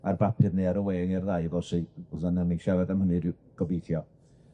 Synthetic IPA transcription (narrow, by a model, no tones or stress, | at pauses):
arbapʰɨðneaɾəweːŋɛrðajvɔsisanəniʃavɛdamhənɨ | ɡ̥ɔbejθjɔ